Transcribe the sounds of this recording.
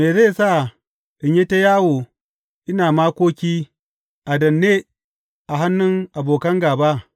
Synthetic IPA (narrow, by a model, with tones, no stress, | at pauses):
meː˨ze˦˨sa˦˨ | ɗɪ˨ɲje˦ta˦jaː˦woː˨ | ʔɪ˦naː˨maː˦kʷoː˦kʲiː˦ | ʔa˨dɐ˨nːeː˦ | ʔa˨ɦa˦nːʊ˦ŋʔa˨boː˨kɐ˦ŋɡaː˨ba˦